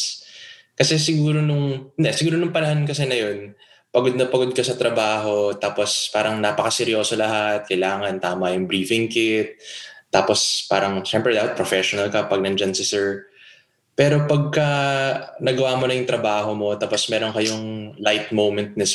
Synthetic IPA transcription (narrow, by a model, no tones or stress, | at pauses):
kɐsɛsɪɡuːɾo̞nʊŋnd̪ɛsɪɡuːɾonʊŋpɐnɐhankɐsɛnɐjo̞n | pɐɡod̪̚nɐpɐɡo̞d̪̚kɐsɐt̪ɾɐbaːɦo̞t̪aːpo̞spaːɾɐŋnaːpɐkɐsɛɾjo̞ːsolɐɦat̪̚kɐjlaːŋɐnt̪aːmɐjʊŋbɾiːfɪŋkɪt̪̚ːaːpo̞spaːɾɐŋʃɛmpɾɛd̪aːpɐt̪̚pɾofɛʃonɐlkɐpɐɡ̚nɐnd͡ʒansɪsɛɹ | pɛːɾo̞pɐɡ̚kɐ | nɐɡɐwaːmonɐjʊŋt̪ɾɐbaːɦo̞mo̞t̪aːpo̞smɛːɾo̞ŋkɐjoŋlajt̪̚mowmɛnt̪̚nɐ